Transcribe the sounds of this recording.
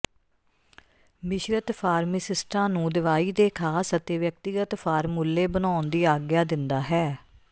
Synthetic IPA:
mɪʃɾət̪pʰaːɾmisɪsʈãːnũːd̪ɪʋaːiːd̪eːkʰaːsət̪eːʋjək̚t̪ɪɡət̪pʰaːɾmuːlːeːbənaːʊnd̪iːaːɡjaːd̪ɪnd̪aːɦɛː

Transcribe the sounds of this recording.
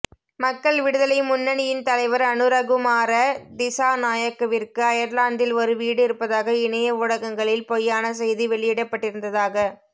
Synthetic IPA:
mɐkːɐɭʋɪɽɯðɐlɐɪmʊnːɐɳɪjɪnt̪ɐlɐɪʋɐɾɐnɯɾɐɣɯmaːɾɐd̪ɪsaːnaːjɐkːɐʋɪrkɯɐjɐɾlaːnd̪ɪlɔɾɯʋiːɽɯɪɾɯpːɐðaːɣɐɪɳɐjɐʋʊɽɐɣɐŋɡɐɭɪlpɔjːaːnɐsɛjðiʋɛɭɪjɪɽɐpːɐʈːɪɾɯnd̪ɐðaːɣɐ

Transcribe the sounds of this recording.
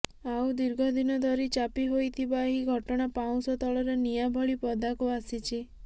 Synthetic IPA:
awd̪iɾɡʱɔd̪inɔd̪ʱɔɾit͡ʃapiɦojt̪ʰibaɦiɡʱɔʈɔɽ̃apaw̃sɔt̪ɔɭɔɾenijabʱɔɭipɔd̪akuasit͡ʃʰi

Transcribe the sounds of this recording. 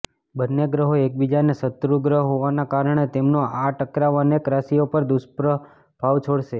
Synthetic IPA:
bənːeɡɾəɦoek̚bid͡ʒanesət̪ɾuɡɾəɦɦoʋanakaɾəɳ̃et̪emnoaʈəkɾaʋənekɾasiopəɾd̪uspɾə | b̥ʱaʋt͡ʃʰoɽʃe

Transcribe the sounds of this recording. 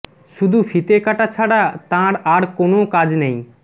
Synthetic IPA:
ʃud̪ʱufit̪ekaʈat͡ɕʰaɽat̪ãɾaɾkonokad͡ʑnej

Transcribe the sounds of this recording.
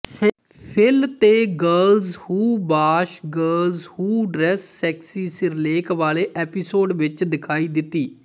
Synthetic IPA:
pʰɪlt̪eːɡəɾlzhuːbaːʃɡəɾlzhuːɖɾɛːsːɛːksiːsɪɾleːkʋaːleːʔɛːpɪsoːɖʋɪt͡ʃd̪ɪkʰaːiːd̪ɪt̪ːiː

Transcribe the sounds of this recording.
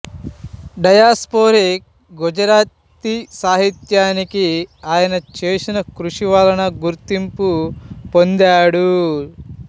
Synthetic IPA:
ɖɐjaːspoːɾik̚ | ɡod͡ʒɐɾaːt̪ː | isaːɦit̪jaːnikiaːjɐnɐt͡ʃeːsinɐkɾuʂiʋaːlɐnɐɡuɾt̪impupond̪aːɽu

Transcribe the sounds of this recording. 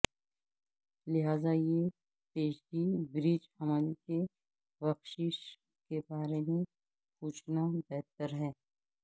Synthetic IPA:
lɪɦaːzaje | peːʃdibɾid͡ʒhɐmaːlike | ʋɐxʃɪʃ | kebaːɾemẽ | puːt͡ʃʰnabɛɦt̪əɾɦɛː

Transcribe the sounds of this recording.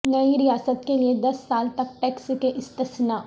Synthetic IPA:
nɐiɾijaːsət̪kelied̪ɐsːaːlt̪ɐk̚ʈɛːkskeʔɪst̪əsnaː

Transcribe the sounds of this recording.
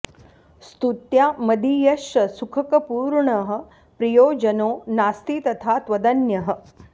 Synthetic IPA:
st̪ut̪jaːmɐd̪iːjɐʃɐsukʰɐkɐpuːɾɳɐɦə̆ | pɾɐjoːd͡ʒɐnoːnaːst̪iːt̪ɐt̪ʰaːt̪ʋɐd̪ɐnjɐɦə̆

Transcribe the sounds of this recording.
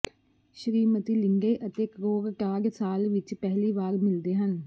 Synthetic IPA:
ʃəɾiːmət̪iːlɪŋɡeːʔət̪eːkɾoːɡʈaːɡsaːlʋɪt͡ʃpɛɦliːʋaːɾmɪld̪eːɦən

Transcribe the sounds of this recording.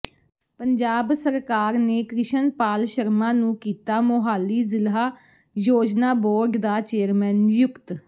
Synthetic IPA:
pəɲd͡ʒaːbsəɾkaːɾneːkɾɪʃənpaːlʃəɾmãːnũːkiːt̪aːmoːɦaːlːiːzɪlɦaː | joːd͡ʒnaːbɔːɾɡd̪aːt͡ʃeːəɾmɛːnjʊkt̪

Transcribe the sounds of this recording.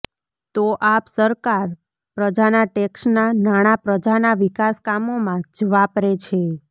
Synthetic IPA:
t̪oʔapsəɾkaɾ | pɾəd͡ʒanaʈɛksnanaɽ̃apɾəd͡ʒanaʋikaskamomãd͡ʒʋapɾet͡ʃʰe

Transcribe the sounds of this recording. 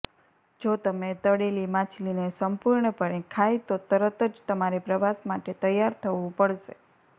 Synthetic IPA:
d͡ʒot̪əmet̪əɽelimãt͡ʃʰlinesəmpuɾɳəpəɽekʰajt̪ot̪əɾət̪əd͡ʒt̪əmaɾepɾəʋasmaʈet̪əjːaɾt̪ʰəʋũpəɽʃe

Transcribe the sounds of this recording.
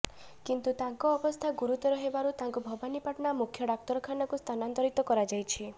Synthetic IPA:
kint̪ut̪aŋkɔːbɔst̪ʰaɡuɾut̪ɔɾɔɦebaɾut̪aŋkubʱɔbanipaʈɔnamukʰjɔɖak̚t̪ɔɾɔkʰanɔkust̪ʰanant̪ɔɾit̪ɔkɔɾad͡ʒajt͡ʃʰi

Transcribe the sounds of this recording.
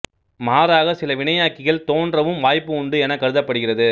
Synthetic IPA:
maːɾaːɣɐsɪlɐʋɪɳɐjaːkːɪɣɐɭt̪oːndrɐʋɯmʋaːjpːɯʊɳɖɯɛnɐkːɐɾɯðɐpːɐɽɯɣɪrɐðɯ

